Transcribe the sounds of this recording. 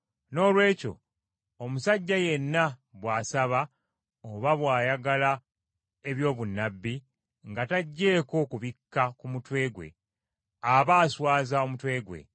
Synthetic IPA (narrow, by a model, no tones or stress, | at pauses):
no̞ːlwe̞ːco̞̰ | omusaɟːaje̞nːaβwaːsaβa | oβaβwaːjaɡala | e̞βjo̞ːβunːabːi | ŋɡataɟːe̞ːko̞kuβikːakumutwe̞ːɡwe̞̰ | aβaːswaːzao̞mutwe̞ːɡwe̞̰